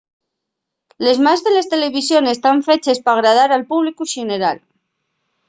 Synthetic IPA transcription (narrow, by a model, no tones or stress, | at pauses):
le̞zmazðe̞le̞st̪e̞le̞β̞isjo̞ne̞st̪aɱfe̞t͡ʃe̞spaɣ̞ɾað̞aɾalpuβlikuʃeneɾa̰l